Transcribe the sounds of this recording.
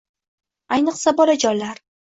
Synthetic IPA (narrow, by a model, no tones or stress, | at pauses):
ajnɨqsabɒlad͡ʒɒjlaɾ